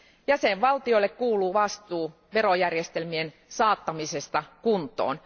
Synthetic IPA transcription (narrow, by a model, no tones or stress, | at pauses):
jæseʋʋɑlt̪iolːekkuːluːʋɑst̪uː | ʋerojærjest̪elmien | sɑːt̪ːɑmisest̪ɑkunt̪ˑo̰ːn